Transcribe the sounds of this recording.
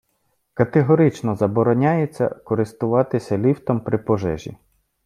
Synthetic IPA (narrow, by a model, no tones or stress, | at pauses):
kɐt̪eɦɔɾɪt͡ʃnɔzɐbɔɾɔnʲajet͡sʲːɐ̰kɔɾɪst̪ʊʋɑt̪ɪsʲɐlʲiwt̪ɔmpɾɪpɔʒɛ̰ʒʲḭ